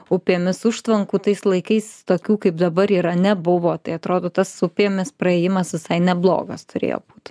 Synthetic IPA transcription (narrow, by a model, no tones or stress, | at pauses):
ʊpʲeːmʲɪsʊʃt̪ʋɐŋkuːt̪ɐɪslˠɐɪkɐɪst̪oːkʲuːkɐɪpd̪ɐbɐɾiːɾɐnʲɛbʊʋoːt̪ɐɪɐt̪ɾoːd̪oːt̪ɐsʊpʲeɛmʲɪsprɐeːjɪmɐsʋʲɪsɐɪnʲɛblˠo̰ːɡɐst̪ʊɾʲḛːjo̰ːb̥uːt̪